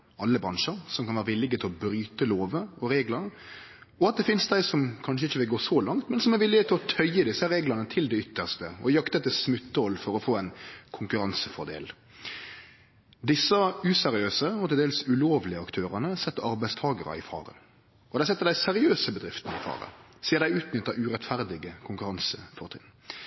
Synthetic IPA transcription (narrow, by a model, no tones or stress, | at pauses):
ɑlːəbɾɑnʂəɾsɔmkʰɑnʋæːʁəʋɪlːɪɡət̪ʰɪlɔbɾyːt̪əloːʋəɔɾeːɡlɑ | ɔɑt̪̚d̪ɛfɪnsd̪æɪsɔmkʰɑnʂ̬əɪçːəʋɪlɡoːsɔlɑŋt̪mɛnsɔmæɾʋɪlːɪɡət̪ʰɪlɔt̪ʰœʏəd̪ɪsːəɾeːɡlɑnət̪ʰɪld̪ɛʏt̪ːəʁst̪əɔjɑkt̪ət̪ːɪlsmʉt̪ːəɔlːfɔɾɔfoːæɪnkʰʊŋkʉɾɑnsəfɔʁd̪ḛːl | d̪ɪsːɑʉsɛɾɪøːsəɔt̪ɪld̪eːlsʉloːʋlɪəɑkt̪ʰøːɾənəsɛt̪ːəɑɾbæɪst̪ʰɑːɡəɾɑ̰ɪfɑ̰ːɾə̰ | ɔd̪æɪsɛt̪ːəɾd̪æɪsɛɾɪøːsəbəd̪ʁɪft̪ən̩ɪ̰fɑ̰ːɾə̰siːəɾd̪æɪʉːt̪nʏt̪ːəʉɾɛt̪fæɾd̪ɪɡəkʰʊŋkʉɾɑnsəfɔɾt̪ʰɪn